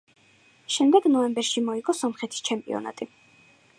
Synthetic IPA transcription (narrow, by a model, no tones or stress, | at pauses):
ʃɛmd̪ɛɡnɔɛmbɛɾʃimɔiɡɔsɔmχɛt̪ʰi̥st͡ʃʰɛmpʼḭɔ̰na̰t̪ʼi